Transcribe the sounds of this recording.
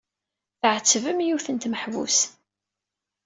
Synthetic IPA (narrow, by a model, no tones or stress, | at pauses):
θəʕət͡sːəvəmjuθənt̪məħvṵs